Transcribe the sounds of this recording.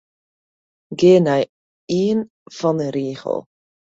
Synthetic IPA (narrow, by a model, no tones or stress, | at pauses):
ɡeːnaj | iːn | fɔnəɾiːχə̰lˠ